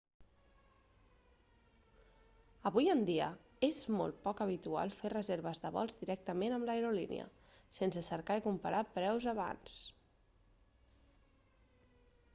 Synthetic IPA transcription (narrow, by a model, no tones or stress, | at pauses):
əβujənd̪iə | ezmɔ̰lˠt̪̚pɔkəβ̞it̪ua̰lˠferəzeɾβ̞əzðəβɔ̰lˠzd̪iɾɛk̚t̪əmenəmləəɾolḭnḭə̰ | sensəsəɾkaikumpəɾapɾɛwzəβa̰ns